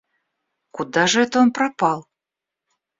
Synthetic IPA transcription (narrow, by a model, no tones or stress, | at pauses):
kud̪ɑʐəɛt̪əonpɾapɑlˠ